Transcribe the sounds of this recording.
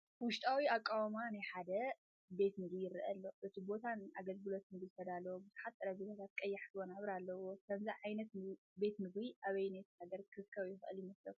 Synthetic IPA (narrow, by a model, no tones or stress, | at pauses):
wʊʃt̪ʼawiakʼːawmanajħad̪ɐ | be̞t̪mɨɡijɪɾɨʔɐlːo̞ʔɨt̪ʰibo̞t̪ʰanaɡɐlɡɨlo̞t̪nɨɡzɨt̪ʰɐd̪alɐwbɨzuħat̪ːʼɐɾɐbot̪ʰat̪ʰat̪̚kʼɐjːaħt̪wonaβɾalːɐwot̪ʰɐnzaʕajnɐt̪ɨ | be̞t̪mɨɡwiʔaβɐjnajt̪haɡɐɾkʰɨskʰɐwjɪxɨʔɨ̰ljɪmɐslɐfu